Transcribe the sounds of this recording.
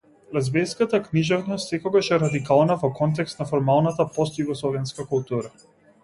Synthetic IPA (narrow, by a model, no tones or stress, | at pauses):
lɛzbɛjskat̪akniʒɛvnɔst̪sɛkɔɡaʃɛɾad̪ikalˠnavɔkɔnt̪̬ɛkst̪nafɔɾmalˠnat̪apɔst̪juɡɔslˠɔvɛnskakulˠt̪uɾa